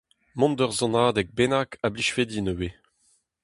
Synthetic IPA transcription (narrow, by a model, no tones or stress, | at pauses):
mɔ̃nd̪œʁzɔ̃naːd̪ɛk̚benakabliʃfed̪inəwe